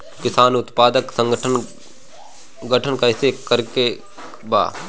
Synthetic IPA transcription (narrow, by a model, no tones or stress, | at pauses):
kɪsaːnʊt̪paːd̪əksə̃ŋɡəʈʰən | ɡəʈʰənkaɪsekəɾke | ba̰ː